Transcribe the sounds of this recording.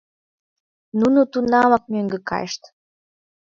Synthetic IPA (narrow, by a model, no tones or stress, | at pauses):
nunut̪unɑmɑk̚møŋɡə̆kɑ̰jʃt̪